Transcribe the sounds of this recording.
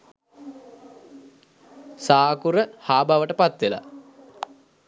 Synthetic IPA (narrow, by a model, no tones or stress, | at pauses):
saːkuɾəhaːbʱaʋəʈəpat̪ʋela̰